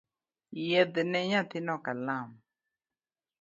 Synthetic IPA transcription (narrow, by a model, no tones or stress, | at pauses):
jɛd̪nɛɲat̪ɪnɔkalam